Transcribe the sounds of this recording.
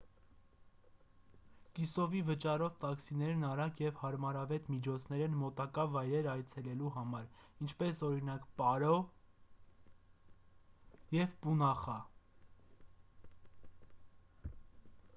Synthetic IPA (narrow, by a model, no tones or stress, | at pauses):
kisɔvivət͡ʃɑɾɔvt̪ɑksinɛɾnɑɾɑkjɛvhɑɾmɑɾɑvɛt̪mit͡ʃʰɔt͡sʰnɛɾɛnmɔt̪ɑkɑvɑjɾɛɾɑjt͡sʰɛlɛluɦɑmɑɾint͡ʃʰpɛsɔɾinɑkpɑɾɔ | jɛvpunɑχɑ